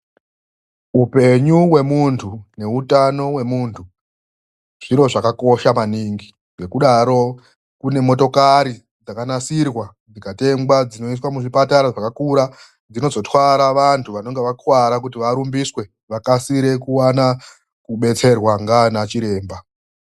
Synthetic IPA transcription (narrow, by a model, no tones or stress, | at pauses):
upe̞ɲuwe̞muntʰune̞utano̞we̞muːntʰu | ʐ̥iɾo̞ʐakako̞ʃamaniŋɡi | ŋe̞kuɗaɾo̞ | kune̞mo̞to̞kaɾi | d͡zakanasirwa | d͡zikate̞mɡwad͡zino̞iswamuʐipataɾaʐakakuɾa | d͡zino̞zo̞twaɾaʋantʰuʋano̞ŋɡe̞ʋakwaɾak̬utiʋaɾumbiswe̞ | ʋakasiɾe̞kuwana | kuɓe̞t͡se̞rwaŋɡanat͡ʃiɾe̞ːmba